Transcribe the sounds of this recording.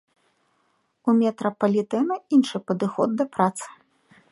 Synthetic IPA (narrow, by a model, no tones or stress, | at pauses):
umʲɛt̪ɾɐpɐlʲit̪ɛnɐinʂɨpɐd̪ɨxɔd̪̚ːɐpɾat̪sɨ̥